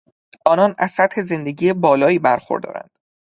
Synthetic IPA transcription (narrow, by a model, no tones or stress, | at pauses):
ʔɒːnɒːnæ̰z̥sæt̪he̞ze̞nd̪eɟiːjebɒːlɒːiːbæɾxo̰ɾd̪ɒ̰ːɾæ̰nd̪̥